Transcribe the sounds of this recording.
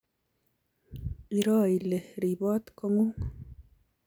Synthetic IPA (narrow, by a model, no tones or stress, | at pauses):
iɾɑːilehɾibɑːt̪komu